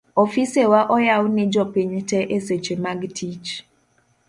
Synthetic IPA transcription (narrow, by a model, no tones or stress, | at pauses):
ɔfisewaʔɔjawnɪd͡ʒɔpɪɲtɛʔeset͡ʃemaɡtʰit͡ʃ